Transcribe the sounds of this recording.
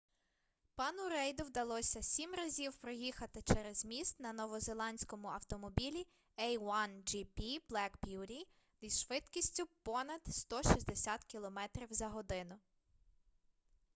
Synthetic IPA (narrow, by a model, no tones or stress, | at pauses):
pɑnʊɾɛjd̪ʊwd̪ɐlˠɔsʲɐsʲimrɐzʲiwpɾɔjixɐt̪ɪt͡ʃɛɾezmʲist̪nɐnɔʋɔzelˠɑnʲsʲkɔmʊɐwt̪ɔmɔbʲilʲi | ɛjwɑnd͡ʒipʲiblˠɛkbʲjuɾʲi | isʃʋɪt̪kʲisʲtʲʊpɔnɐd̪st̪ɔʃisʲd̪esʲat̪kʲilˠɔmɛt̪ɾʲiwzɐɦɔd̪ɪnʊ